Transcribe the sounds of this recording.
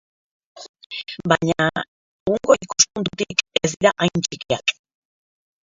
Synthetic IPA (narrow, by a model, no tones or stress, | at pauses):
baɲa | eɣuŋɡo̞ikuspunt̪ut̪ikezd̪iɾaʔajnt͡ʃikia̰k